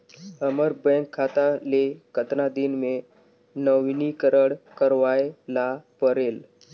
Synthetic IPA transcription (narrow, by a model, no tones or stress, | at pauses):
əməɾ̚bɛ̃ŋkʰːat̪alekət̪nad̪inme | nəʋnikəɾəɽkəɾʋajlapəɾel